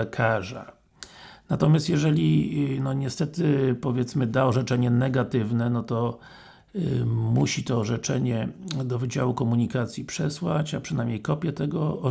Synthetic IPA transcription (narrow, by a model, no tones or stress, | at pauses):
ɛkʰaʐa̰ | nat̪ɔmʲjast̪jɛʐɛlʲinɔɲɛst̪ɛt̪ɘpɔvʲjɛt̪smɘd̪aɔʐɛt͡ʂɛɲɛnɛɡat̪ɘvnɛnɔt̪ɔ | muɕit̪ɔːʐɛt͡ʂɛɲɛd̪ɔvɘd͡ʑawukɔmuɲikat̪sʲjipʂɛswat͡ɕapʂɘnajmɲejkɔpʲjɛt̪ɛɡɔ